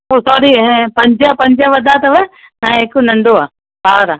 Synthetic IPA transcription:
oːsɔːɾĩpɐ̃ɲd͡ʒəpɐ̃ɲd͡ʒəʋɐd̪ʱaːt̪ɐʋə | nãeːkonɐ̃ɳɖoaː | baːɾaː

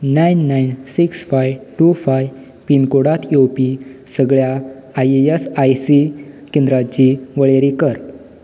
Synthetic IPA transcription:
najnːajnsiksfajʋʈufaj | pinkoɽat̪jopisəɡɭja | ajesajsikẽnd̪ɾat͡ɕiʋəɭeɾikəɾ

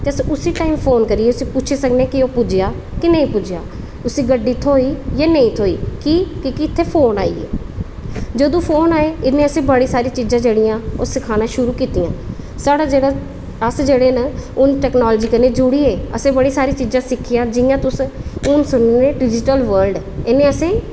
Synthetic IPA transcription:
t̪eːəsʊsiːʈaːimpʰoːnkəɾiːeːʊsĩːpʊt͡ʃʰeːsəkneːkɪoːpʊd͡ʒɪjaː | kɪnəĩːpʊd͡ʒja̰ː | ʊsĩːɡəɖːiːt̪ʰoːiːjaːnəĩːt̪ʰoːḭːkiːkɪkɪɪt̪ʰːeːpʰoːna̰ːḭːḛː | d͡ʒəd̪õːpʰoːnaːeːɪnːẽːəsẽːbəɽiːsaːɾiːt͡ʃiːzãːd͡ʒeːɽɪjãːoːsɪkʰaːnãːʃʊɾuːkiːt̪ijãː | saːɽaːd͡ʒeːɽa | əsd͡ʒeːɽeːnəʊnʈɛːknaːlːd͡ʒiːkəɾneːd͡ʒʊɽiːeːəsẽːbəɽiːsaːɾiːt͡ʃiːzãːsɪkʰːɪjãːd͡ʒɪjãːt̪ʊsʊnsʊnːẽːɖɪd͡ʒɪʈəlʋəlɖ | ɪnːẽːəsẽː

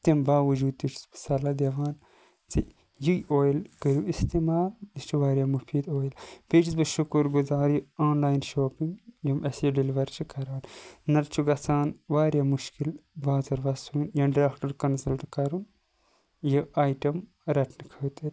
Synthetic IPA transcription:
t̪imbaːʋɐd͡ʒuːd̪̚t̪it͡ʃʰi̥sbɨ̥sɐlad̪eʋaːn | t͡si | jujoːjlkəɾjuist̪imaːld̪it͡ʃʰuʋaːɾʲjamufiːd̪oːjlpet͡ʃʰisbɨʃukuɾɡuzaːɾjɨoːnlaːjnʃoːpiŋɡjɐmʔɐsjɐɖiliʋɐɾt͡ʃʰikɐɾaːnːɐɾt͡ʃʰuɡɐsaːnʋaːɾjaːmuʃkilbaːzɐɾʋɐsuːnjɐɖɾaːkʈɐɾkɐnsɐlʈkɐɾun | jɐaːjʈɐm | ɾɐʈʰnɨkʰɐt̪iɾʲ

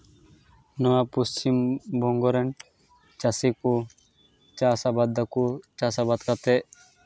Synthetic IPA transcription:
nɔwapust͡ʃimbʱɔŋɡɔɾɛn | t͡ʃasiku | t͡ʃasabad̪akut͡ʃasabat̪kat̪ɛʔ

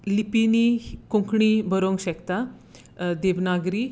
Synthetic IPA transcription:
lipinikõŋkɳibəɾoŋɡɕɛkt̪a | d̪eʋnaɡɾi

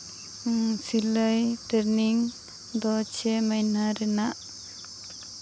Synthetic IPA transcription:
siləjʈəɾniŋ | d̪ɔt͡ʃʰeməjnaɾɛnaʔ

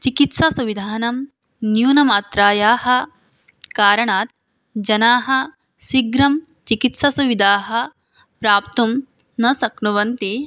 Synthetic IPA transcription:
t͡ʃikit̪sɐsuʋid̪ʱaːnɐm | njuːnɐmaːt̪ɾaːjaːhɐ̆ | kaːɾɐɳaːt̪̚ | d͡ʒɐnaːɦɐ̆ | siɡɾɐm | t͡ʃikit̪sɐsuʋid̪ʱaːɦɐ̆ | pɾaːpt̪um | nɐsɐknuʋɐnt̪i

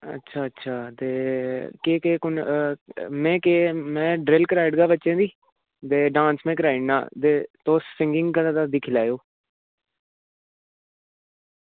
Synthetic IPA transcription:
ə̰tːʃʰaːətːʃʰaːt̪eːkeːkeːkʊn | mɛ̃ːkeːmɛ̃ːɖɾelkəɾaːɪɖɡaːbətːʃẽːd̪iː | t̪eːɖãːnsmɛ̃ːkəɾaːɪɖna̰ːt̪eːt̪oːsːɪ̃ŋɡɪ̃ŋɡkəd̪ãd̪aːd̪iːkʰɪlaːjoː

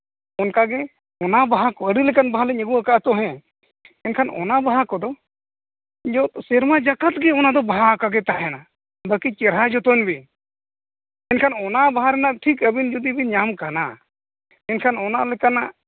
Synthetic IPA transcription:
ɔnkaɡɛ | ɔnabaɦakɔəɖilɛkanbaɦalɛɲəɡuakaʔt̪ɔɦɛ̃ | ɛnkʰanɔ̰nabaɦakɔd̪ɔ | d͡ʒɔt̪sɛɾmad͡ʒakat̪̚ɡɛɔnad̪ɔbaɦakaɡɛt̪aʔjɛna | bakit͡ʃɛɾɦad͡ʒɔt̪ɔnbi | ɛnkʰanɔnabaɦaɾɛnaʔʈʰikəbind͡ʒɔd̪ibiɲamkana̰ | ɛnkʰanɔnaʔlɛkanaʔ

